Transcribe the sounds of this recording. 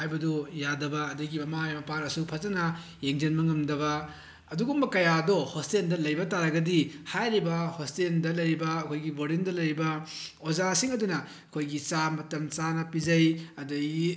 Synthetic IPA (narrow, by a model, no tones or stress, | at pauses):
hajbɐdujadɐbɐːdɐɡimɐmajmɐpaɾɐsupʰɐzɐnɐ | jeŋd͡ʒenmɐŋɐmdɐβɐ | ɐduɡumbɐkɐjadɔhostendɐlɐjbɐtaɾɐɡɐdihajɾibɐhostendɐlɐjɾibɐːkʰojɡiboɾindɐlɐjɾibɐozasiŋɐdunɐ | ɐkʰojɡit͡ʃamɐtɐmt͡ʃanɐpizɐjɐdɐɡi